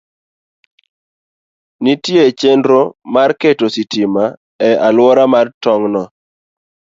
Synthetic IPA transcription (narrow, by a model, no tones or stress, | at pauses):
nitjet͡ʃendɾomarketositima | ɛalwɔɾamartɔŋnɔ